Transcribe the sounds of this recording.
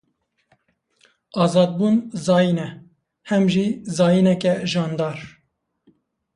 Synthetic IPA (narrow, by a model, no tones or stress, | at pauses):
ɑːzɑːd̪̚buːnzɑːjinɛ | hɛmʒizɑːjinɛkɛʒɑːnd̪ɑːɾ